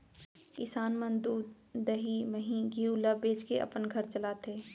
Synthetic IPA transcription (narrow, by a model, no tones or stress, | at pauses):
kɪsaːnmə̃nd̪uːd̪ | d̪əɦiməɦiɡiuləbeːt͡ʃkeʔɐ̰pənɡʱɐɾt͡ʃɐlaːt̪ʰeː